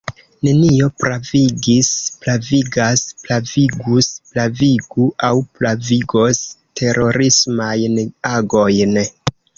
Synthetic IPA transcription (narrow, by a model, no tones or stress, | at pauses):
ne̞nio̞pɾaviɡisplaviɡasplaviɡusplaviɡuʔawplaviɡo̞stʰe̞ɾʔo̞ɾismajnaɡo̞jn